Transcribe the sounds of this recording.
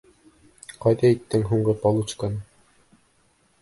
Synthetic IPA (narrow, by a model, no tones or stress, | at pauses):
qɑjðɑit̪ːɘŋɦuɴɢɤpɑlˠut͡ʃkan